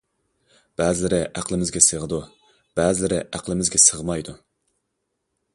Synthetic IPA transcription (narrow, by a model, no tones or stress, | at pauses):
b̥ɛzɪlɪɾɪʔæqlˠɪmɪzɡʲɛsəʁəd̪u | b̥ɛzlɪɾɪʔæqlˠɪmɪzɡʲɛsəʁmɑjd̪u